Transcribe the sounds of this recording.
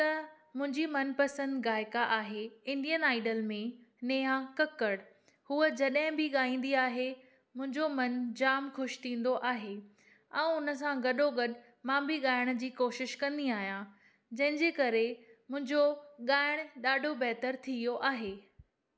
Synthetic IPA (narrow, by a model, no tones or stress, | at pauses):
t̪ɐ | mʊ̃ɦɪ̃ɲd͡ʑimɐnpɐsə̃nd̪ɣaːɪkaʔaːɦeɪ̃ɳɖijənaːɪɖəlmẽneːãkɐkəɽ | huəd͡ʑɐɗɦɪ̃bɪɠaːĩːn̆d̪iaːɦe | mʊ̃ɦɪ̃ɲd͡ʑomɐnd͡ʑaːmxʊʃt̪ʰĩːn̆d̪oʔaːɦe | ɛ̃ːʊnə̆s̬ãɡɐɗoɡɐɗ | mãbɪɠaːɪɽ̃d͡ʑiːkoːʃɪʃkɐ̃nd̪iaːɦijã | d͡ʑɐ̃ɦɪ̃ɲd͡ʑeːkɐɾemʊ̃ɦɪ̃ɲd͡ʑoɠaːɪɽ̃ɗaːɖʱobɛɦt̪əɾt̪ʰijoʔaːɦeː